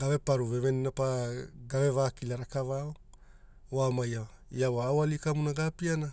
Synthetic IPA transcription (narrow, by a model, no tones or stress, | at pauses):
ɡave̞paɾuve̞βe̞ninapaɡave̞vaːkilaɾakavao | oamaja | iawawalikamunaɡapiana